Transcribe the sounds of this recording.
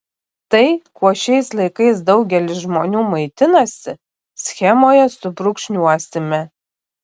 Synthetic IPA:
t̪ɐɪkuɔʃʲɛɪslˠɐɪkɐɪs̬d̪ɐʊɡʲɛlʲɪsʒmoːnʲuːmɐɪt̪ʲɪnɐsʲɪ̰ | sʲxʲɛmoːjɛsʊbɾʊkʃʲnʲuaːsʲt̪ʲɪmʲɛ

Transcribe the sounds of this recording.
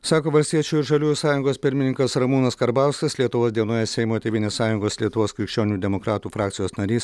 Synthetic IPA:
sɑːkoːʋɐlʲsʲt̪ʲiɛt͡ʃʲuːɪɾʒɐlʲuːjusɑːjʊŋɡoːspʲɪɾʲmʲɪnʲɪŋkɐsɾɐmuːnɐskɐɾbɑˑʊskɐslʲiɛt̪ʊʋoːsd̪ʲiɛnoːjɛsʲɛɪmoːt̪ʲeːʋʲɪnʲeːssɑːjʊŋɡoːslʲiɛt̪ʊʋoːskʲɾʲɪkʃʲt͡ʃʲoːnʲuːd̪ʲɛmokɾɑːt̪uːfɾɑːkt̪sʲɪjoːsnɐɾʲiːs

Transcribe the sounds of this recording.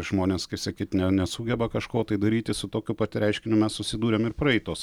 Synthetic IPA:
ʒ̥moːnʲeːskɐɪsɐkʲiːt̪ʲnʲɛnʲɛsuːɡʲɛbɐkɐʃkoːt̪ɐɪd̪ɐɾʲiːt̪ʲɪsʊt̪oːkʲʊpɐt̪ʲɪɾʲɛɪʃʲkʲɪnʲʊmʲɛssʊsʲɪd̪uːɾʲemɪɾpɾɐɛɪt̪oːs

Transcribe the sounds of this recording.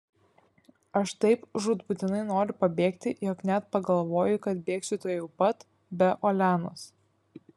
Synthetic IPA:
ɐʃt̪ɐɪpʒuːt̪bʊt̪ʲɪnɐɪnoːɾʲʊpɐbʲeːkt̪ʲɪjɔknʲæt̪pɐɡɐlˠʋoːjʊkɐt̪̚bʲeːksʲɪt̪oːjɛʊpɐt̪ | bʲɛʔolʲæːnoːs

